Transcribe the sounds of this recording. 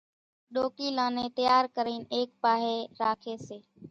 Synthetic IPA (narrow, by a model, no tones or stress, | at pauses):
ɗoːkiːlãːneːt̪əjaːɾkəɾiːneːk̚paːɦeːɾaːkʰeːseː